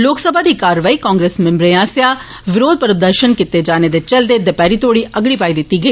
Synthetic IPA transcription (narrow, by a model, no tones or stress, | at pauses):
loːksəbʱaːd̪iːkaːɾʋaːiːkãːŋɡɾeːsmɛ̃mbɾeãːsjaː | ʋɪɾoːd̪̚pəɾd̪əɾʃənkɪt̪ed͡ʒaːned̪et͡ʃɐld̪eːd̪epɛːɾit̪oːɽiːʔəɡɽiːpaːid̪ɪt̪ːiːɡəiː